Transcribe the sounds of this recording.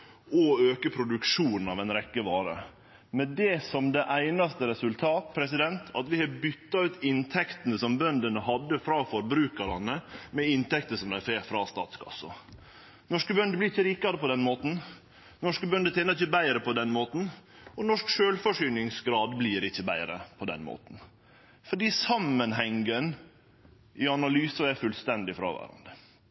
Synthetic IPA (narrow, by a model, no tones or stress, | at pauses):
ɔøːkəpʰɾʊd̪ʉkʂuːnn̩ɑ̰ʋɛɪnɾɛkːəʋɑːɾə̰ | mɛd̪ɛsɔmd̪ɛʔæɪnɑst̪əɾɛsʉlt̪ʰɑːt̪̚pʰɾɛsɪd̪ɛnt̪ʰɑ̰t̪ʋɪhɑɾbʏt̪ːɑʉːt̪ʰɪnt̪ʰɛkt̪ənəsɔmbœnd̪ənəhɑd̪ːəfɾɑːfɔɾbɾʉːkəɾɑnəmɛɪnt̪ɛkt̪əsɔmd̪ææɾfeːɾfɾɑst̪ɑ̰ːt̪skʰɑ̰sːɔ̰ | nɔʂkəbœnd̪əblɪɾɪçːəɾiːkɑɾəpɔd̪ɛnmoːt̪n̩ | nɔʂkəbœnd̪ət̪ʰeːnəɾɪçːəbæɪɾəpʰɔd̪ɛnmoːt̪n̩ɔnɔʂkʃøːlfɔʂʏnɪŋsɡɾɑːd̪bliːɾɪçːəbæɪɾə̰pʰɔd̪ɛ̰nmo̰ːt̪n | fɔɖiːsɑmːənɦɛŋɡən | ʔɪɑnɑlyːsɑæɾfʉlst̪ɛnd̪ɪfɾɑ̰ːʋæ̰ːɾɑ̰nd̪ə